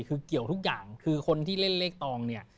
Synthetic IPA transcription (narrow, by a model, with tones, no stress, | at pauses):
kʰɯː˧ki˨˩əwt̪ʰu˦˥k̚jaː˨˩ŋkʰɯː˧kʰo˧nt̪ʰiː˥˩le˥˩nleː˦˥˩k̚t̪ɔː˧ŋni˥˩ɐ